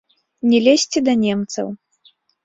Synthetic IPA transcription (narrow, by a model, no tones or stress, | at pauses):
nʲɛlʲesʲt͡sʲid̪ɐnʲɛmt̪sɐ̰w